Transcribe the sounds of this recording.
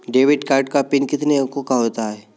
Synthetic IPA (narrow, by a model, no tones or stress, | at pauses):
ɖeːʋɪɖkaːɾʈ̚kapɪnkɪt̪nekokaɦoːt̪aɦɛː